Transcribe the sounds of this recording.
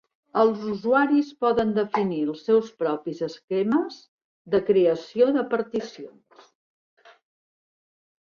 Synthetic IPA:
əlˠzuzuaɾispɔðənd̪əfiniəlˠsːɛwspɾɔpizəskɛməz | ðəkɾeəsioðəpəɾt̪isions

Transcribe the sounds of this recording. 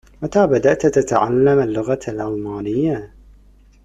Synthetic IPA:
mat̪aːbad̪aʔt̪t̪at̪aʕa̰lːamalːʊɣalʔɑlmaːnɪjːa

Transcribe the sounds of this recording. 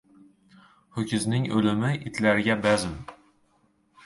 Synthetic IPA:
hʊkʲɪznɪŋɵlɪmɪʔɪt̪ʰlaɾɪɡʲabazɪm

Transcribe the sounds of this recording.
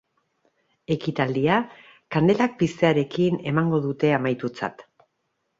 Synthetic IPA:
e̞kit̪ald̪ia | kand̪e̞lak̚pist̪e̞aɾe̞kine̞maŋɡo̞ðut̪e̞amajt̪ut͡sa̰t̪

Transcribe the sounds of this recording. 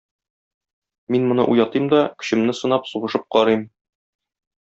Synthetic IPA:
minmŏnɤ̰ʔujɑt̪ɤmd̪ɒkɵ̥̆ɕɘ̆mnɘsɤ̆nɑpsuʁɤ̆ʃɤp̚qɒɾɤjm

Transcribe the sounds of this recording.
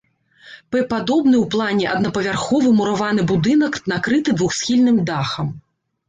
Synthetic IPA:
pɛpad̪ɔbnɨwplˠanʲɛʔɐ̰d̪nɐpɐvʲarxɔvɨmuɾavanɨbud̪ɨnɐknakɾɨt̪ɨd̪vuxsʲxʲilʲnɨmd̪axɐm

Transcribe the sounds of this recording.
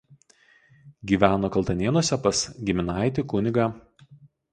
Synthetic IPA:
ɡʲiːʋʲæːnoːkɐlˠt̪ɐnʲeɛnuɔsʲɛpɐsɡʲɪmʲɪnɑˑɪt̪ʲɪkʊnʲɪɡɑː

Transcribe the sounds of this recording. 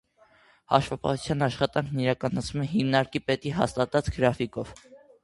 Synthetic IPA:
hɑ̰ʃvɑpɑ̰hut͡sʰjɑnɑʃχɑt̪ɑŋkʰniɾɑkɑnɑt͡sʰnumɛɦimnɑɾkipɛt̪iɦɑ̰st̪ɑt̪ɑt͡sɡəɾɑfikɔv̥

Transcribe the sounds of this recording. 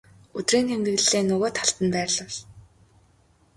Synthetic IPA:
ɵt̪riːnxemt̪ɘ̆ɣ̆ɮːeːnːʊɣoːt̪χaɬt̪ə̆npæːrɮə̆ɮ

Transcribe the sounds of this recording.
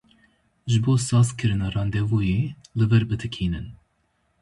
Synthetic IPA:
ʒɨboːsɑːskʰɨɾɨnɑːrɑːnd̪ɛvoːjeːlɨvɛɾbɨt̪ʰɨkʰiːnɨn

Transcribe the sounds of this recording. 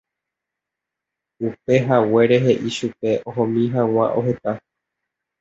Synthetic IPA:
upe̞ɦawe̞ɾe̞ɦe̞ʔiʃupe̞ʔõɦõmĩɦãw̃ã̰ʔo̞̰ɦe̞t̪a

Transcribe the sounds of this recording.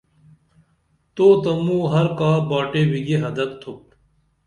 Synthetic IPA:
t̪oːt̪ɐmũːɦɐɾkaːbaːʈeːwiɡeɦɐd̪ɐkt̪ʰuk̚

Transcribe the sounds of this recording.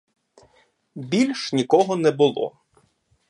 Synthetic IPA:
bʲilʲʃnʲikɔɦɔnɛbʊlˠɔ̰

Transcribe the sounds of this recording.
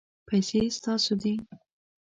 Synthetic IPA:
pʰajsest̪ɑsod̪i

